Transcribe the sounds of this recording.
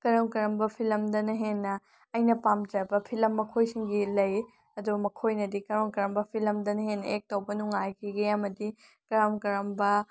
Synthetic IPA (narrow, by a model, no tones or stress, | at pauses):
kɐɾɐmkɐɾɐmbɐpʰilɐmdɐnɐɦenːɐː | jnɐpamd͡ʒɐbɐpʰilɐmːɐkʰojsiŋɡilɐj | ɐdubɐmɐkʰojnɐdikɐɾɐmkɐɾɐmbɐpʰilɐmdɐnɐhenːɐek̚towbɐnuŋajkʰiɡeɐmɐdi | kɐɾɐmkɐɾɐmbɐ